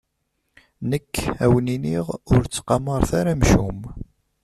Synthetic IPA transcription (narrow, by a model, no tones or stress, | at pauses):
nəkːæwniniʁʊɾt͡sːqɑməɾˤθaɾæmʃum